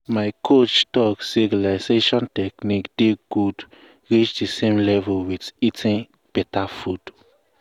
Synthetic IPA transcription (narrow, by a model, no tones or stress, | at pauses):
maɪkʰot͡ʃtɔkseɡlaɪseʃɔ̃ntɛknikd̥eɡ̥ud | ɹit͡ʃdisẽmlɛvuwititʰĩn | b̥ɛtafud̥